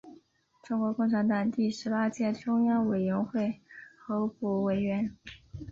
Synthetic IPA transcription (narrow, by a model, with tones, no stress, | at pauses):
ʈ͡ʂʊ˥ŋkwɔ˧˥kʊ˥˩ŋʈ͡ʂʰa˧˥nt̪ɑ˨˩ŋt̪i˥˩ʂɻ̩˧˥pa˥t͡ɕjɛ˥˩ʈ͡ʂʊ˥ŋjɑ˥ŋwe˨˩ɪɥɛ˧˥nxwe˥˩ɪxɤ˧˥pu˨˩we˨˧˩ɪɥɛ˧˥n